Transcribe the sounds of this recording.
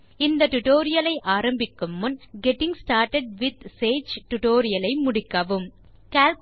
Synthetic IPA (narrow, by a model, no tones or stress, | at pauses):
ɪnd̪ɐʈʊʈoːɾɪjɐlɐɪʔaːɾɐmbɪkːɯmːʊnɡɛʈːɪŋsʈaːɾʈɐɖʋɪd̪̚seːt͡ʃʈʊʈoːɾɪjɐlɐɪmʊɽɪkːɐʋɯm | kaːlp